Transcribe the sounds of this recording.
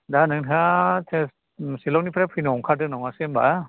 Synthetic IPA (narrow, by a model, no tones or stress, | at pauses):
danɯŋʰatʰes | silɔk̚nipʰɾapʰɯnɔŋkʰadɯnɔŋasemba